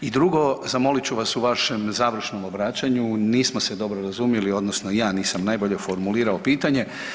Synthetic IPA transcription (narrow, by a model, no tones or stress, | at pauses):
id̪ɾuɡo̞zamo̞lit͡ɕuʋasuʋaʃe̞mzaːʋr̩ʃnomobɾaːt͡ɕaɲuniːsmo̞se̞d̪o̞bɾoɾazumjelio̞d̪nosnojaːniːsamnajboʎe̞foɾmuliːɾaopiːt̪aɲe̞